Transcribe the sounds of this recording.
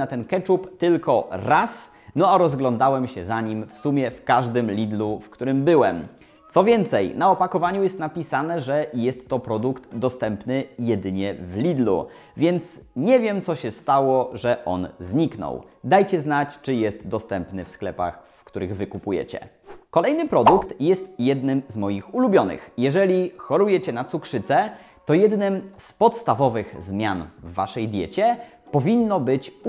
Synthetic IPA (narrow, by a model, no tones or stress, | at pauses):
at̪ɛnkɛt͡ʂupt̪ɘlkɔɾas | nɔaɾɔzɡlɔnd̪awɛmɕɛzaɲimfsumʲjɛfkaʐd̪ɘmlʲid̪lufkt̪uɾɘmbɘwɛm | t̪sɔvʲjɛnt̪sɛjnaɔpakɔvaɲujɛst̪napʲisanɛʐɛjɛst̪ːɔpɾɔd̪ukt̪d̪ɔst̪ɛmpnɘjɛd̪ɘɲɛvlʲid̪lṵ | vʲjɛnt̪sɲɛvʲjɛmt̪sɔɕɛst̪awɔʐɛʔɔ̰nzɲiknɔ̰w | d̪ajt͡ɕɛznat͡ɕt͡ʂɘjɛst̪d̪ɔst̪ɛmpnɘfsklɛpa̰xfkt̪uɾɘɣvɘkupujɛ̰t͡ɕɛ̰ | kɔlɛjnɘpɾɔd̪ukt̪jɛst̪jɛd̪nɘmzmɔjixulubʲjɔnɘ̰xjɛʐɛlʲixɔɾujɛt͡ɕɛnat̪sukʂɘt̪sɛ | t̪ɔjɛd̪nɘmspɔt̪st̪avɔvɘxzmʲjanvːaʂɛjd̪ʲjɛt͡ɕɛ | pɔvʲinːɔbɘt͡ɕ